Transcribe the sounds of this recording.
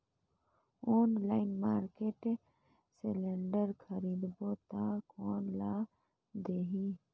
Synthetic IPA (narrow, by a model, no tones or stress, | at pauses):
oːnlaɪnmaːɾkeʈ | seleɳɖəɾkʰəɾid̪bot̪akoːnla | d̪eɦi